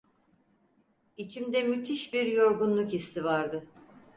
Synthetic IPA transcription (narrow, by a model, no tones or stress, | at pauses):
it͡ʃʰimd̪ɛmyt̪ʰiʃbiɾjo̞ɾɡunlˠukist̪ʰivaɾd̪ɯ